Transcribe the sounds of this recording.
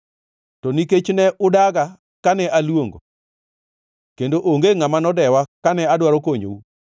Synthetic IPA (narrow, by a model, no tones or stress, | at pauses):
tɔniket͡ʃnɛʔʊdaɡa | kanɛʔalwoŋɡo̰ | kendoʔoŋɡeŋamanɔdɛwakanɛadwaɾɔkoɲo̰u